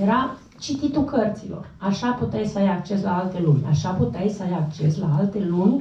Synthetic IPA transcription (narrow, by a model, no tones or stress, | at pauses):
jeɾa | t͡ʃit̪it̪ukərt̪silo̞̰r | aʃaput̪eajsəajak̚t͡ʃe̞slaalt̪e̞lumʲa̰ʃaput̪ajsəajakt͡ʃe̞slaalt̪e̞lunʲ